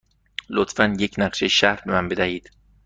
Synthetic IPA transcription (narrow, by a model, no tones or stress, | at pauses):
lot̪fænjecʰnæɢʃeʃæɾbe̞mænbe̞d̪æhiːd̪̥